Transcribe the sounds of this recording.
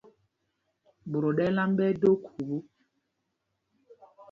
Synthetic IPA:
bo˨ɾo˨ɗɛ˦la˦m˦bɛ˦do˦kʰu˨bu˦

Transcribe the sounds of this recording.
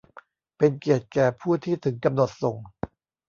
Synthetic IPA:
pe˧nki˨˩ət̪̚kɛː˨˩pʰuː˥˩t̪ʰiː˥˩t̪ʰɯ˩˦ŋka˧mno˨˩t̪̚so˨˩ŋ

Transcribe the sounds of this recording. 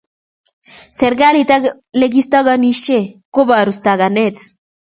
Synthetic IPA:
sɛ˨ɾɡa˦lit̪a | le˦ɡi˦st̪a˦ɣa˦ni˦ʃe˦ko˦ba˨ɾu˨st̪a˨ɡa˨nɛt͡s

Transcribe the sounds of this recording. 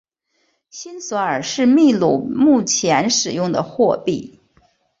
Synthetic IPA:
ɕi˥nsɔ˧˥ə˞˨˩ʂɻ̩˥˧mi˥˧lu˨˧˩mu˥˩t͡ɕʰjɛ˧˥nʂɻ̩˨˩jʊ˥˩ŋd̪ə̰˩xwɔ˥˧pi˥˩

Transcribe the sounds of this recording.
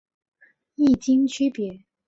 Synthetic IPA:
i˥˩t͡ɕi˥ŋt͡ɕʰy˥pjɛ˨˧˥

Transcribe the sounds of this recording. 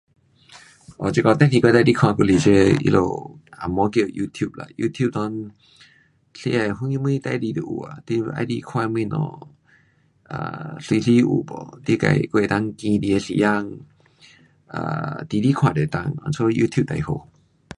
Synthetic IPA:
ʔɔ˨t͡ɕi˧kɔ˧t̪ɛ̃˧˦tʰi˧kwt̪a˧˨di˦kʰwã˧ku˧˨li˨˧˨t͡ɕe˧ḭ˧lʔo̰˨a˨mɔ˧˦ke˧˨ju˧t̪ʰju˥˨p̚la̰˨ju˧t̪ʰju˥˨p̚t̪ɔ˧n | ɬḭ˧a˧˩ɦu˧˦ŋi˧mĩ˧˦t̪a˧jdi˧d̪ə˨˩ʔu˨˩a̰˨t̪i˧a̰˧˦di˧˦kʰwã˧˦mĩ˧nɔ̰˧˩ | a̰˧˩si˧ɬi˦ʔu˨bɔ̰˨t̪i˦ka̰˧˨jkwt̪a˦ŋkĩ˧di˧e˧sḭ˨ja˧ŋ | ʔa̰˧˩t̪i˧di˦kʰw̃ã˧˩de˨t̪a˧ŋa̰˧˨nsʰo˦˧ju˧t̪ʰju˥˧˨t̪a˨jho˧˨

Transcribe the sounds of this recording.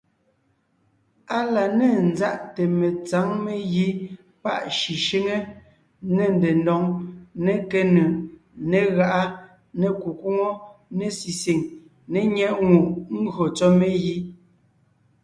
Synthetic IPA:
a˦la˨ne˨n̩˦za˦ʔte˨me˨t͡sa˨˦ŋme˦ji˦ | pa̰˦˨ʔʃi˨ʃi˦ŋe˦ | ne˨n˨de˨ndɔ˨ŋne˨ke˦nɯ˨ | ne˨ɣa˦˨ʔa˦ | ne˨ku˨ku˦ŋo˦ne˨si˨si˨ŋ | ne˨ɲɛ˦ʔŋu˨ʔŋ̩˦ɡɰo˨t͡sɔ˦me˦ji˦

